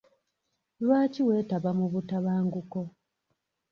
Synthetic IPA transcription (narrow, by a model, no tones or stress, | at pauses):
lwaːciwe̞ːtaβamuβutaβaːŋɡuko